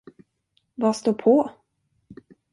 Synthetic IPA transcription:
vast̪oːɾpʰɔ

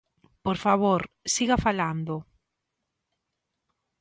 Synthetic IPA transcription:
poɾfaβoɾ | siɣafaland̪o

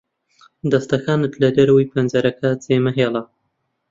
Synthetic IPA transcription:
d̪ɐst̪ɐxaːnɨt̪ʰlɐd̪ɐɾɐwijpʰɐnzɐɾɐkʰat͡seːmɐɦeːla

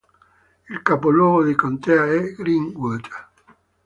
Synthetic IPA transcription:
ilkapolwɔːɣoðikɔnt̪eaɛɡɾiŋɡwət̪ə

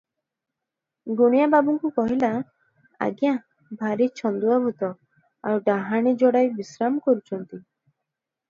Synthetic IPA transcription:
ɡuɽ̃ijababɔŋkukɔɦila | a̰ɡja | bʱaɾit͡ʃʰɔnd̪uabʱut̪ɔ | awɖaɦaɽ̃id͡ʒɔɽajbisɾamɔkɔɾut͡ʃʰɔnt̪i

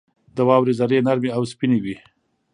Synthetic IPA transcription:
d̪əwɑwɾezaɾenaɾmeawspinewi

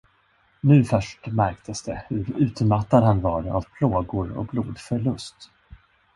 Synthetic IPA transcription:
nʉ̟ːfœʂʈmæɾkt̪ʰəsd̪ɛhɵɾʉ̟ːt̪mat̪ːad̪hanvaɾa̰vpʰloːɡʊɾɔ̰k̚blṵːd̪fœɭɵst̪

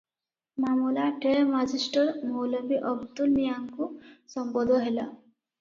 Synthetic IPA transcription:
mamulaʈeɭmad͡ʑisʈəɾmowləmbiʔəbd̪ulnijaŋkusəmbɔd̪ʱɔɦela

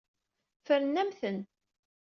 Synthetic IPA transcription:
fəɾnːæmθən

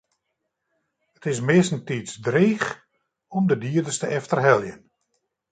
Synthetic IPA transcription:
ətɪs̬mɪstn̩tisdreːx | ɔmdədiədəstəɛftərɦɛlˠjən

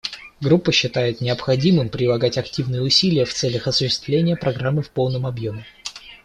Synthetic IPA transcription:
ɡɾupːəɕːɪt̪ajɪt̪nʲɪəpxɐdʲimɨmpɾʲɪlˠɐɡatʲɐktʲivnɨjəʊsʲilʲɪjəft̪sɛlʲəxɐsʊɕːɪ̥st̪vlʲenʲɪjəpɾɐɡɾamːɨfpo̞lˠnəmɐbjomʲɪ

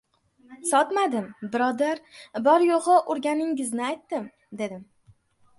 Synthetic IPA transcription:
sɒt̪mad̪ɪmbɪɾɒd̪aɾbɒɾjoʁɨʔʊɾɡʲanɪŋɪznɪajt̪ːɪm | d̪e̞d̪ɪm

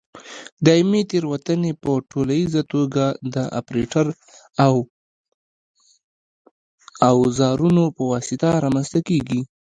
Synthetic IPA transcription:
d̪ɑimet̪eɾwat̪ənepəʈolajizat̪oɡad̪əʔa̰pɾeʈaɾ | w | awzɑɾunopəwɑsɪt̪aɾɑmanst̪akeɡi

